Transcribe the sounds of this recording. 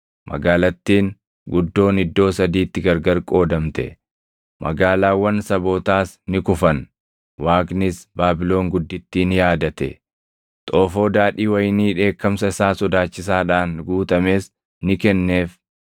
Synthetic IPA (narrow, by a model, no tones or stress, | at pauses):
mʔɐ̰ɡaːlɐt̪ːiːŋ | ɡʊd̪ːo̞ːnɪd̪ːo̞ːsɐd̪iːt̪ːɪɡɐɾɡɐɾkʼo̞ːd̪ɐmt̪ɛ̰ | mʔɐ̰ɡaːlaːwːɐnsɐbo̞ːt̪aːsnɪkʊfɐn | waːknɪsbaːbɪlo̞ːŋɡʊd̪ːɪt̪ːiːnɪjaːd̪ɐt̪ɛ̰ | t̪ʼo̞ːfo̞ːd̪aːᶑiːwɐjniːᶑe̞ːkːɐmsɐɪsaːsɔd̪aːt͡ʃːɪs̬aːᶑaːnɡuːt̪ɐme̞ːs | nɪkɛnːeːf